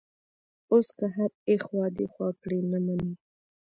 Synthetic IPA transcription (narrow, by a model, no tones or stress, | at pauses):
oskaɦaɾexwɑd̪exwɑkɽenamani